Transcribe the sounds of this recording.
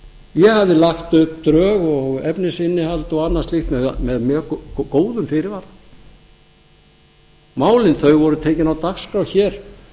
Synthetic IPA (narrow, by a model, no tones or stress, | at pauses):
jɛhavðɪlaxt̪ʏp̚t̪ɾœːɣɔɣɛpnɪsɪnːɪhalt̪ɔɣanːḁst̪lixt̪mɛmɛðmjœkoːwðʏmfɪɾɪvaɾ | maːwlɪnθœɥɣvɔɾðʏt̪ʰeːjcɪnawt̪akskɾawçɛːɾ̥